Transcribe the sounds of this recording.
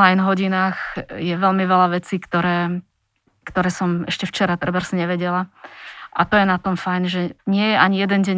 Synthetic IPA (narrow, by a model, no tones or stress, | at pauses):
ajnɦɔɟinaːxjɛʋɛlmiʋɛlaʋɛt͡siːkt̪ɔɾɛː | kt̪ɔɾɛːsɔmɛ̰ʃcɛft͡ʃɛɾat̪rɛbaɾsɲɛʋɛɟɛlaʔat̪ɔjɛnat̪ɔmfajnʒɛɲɪɛjɛʔaɲijɛd̪ɛnɟɛɲ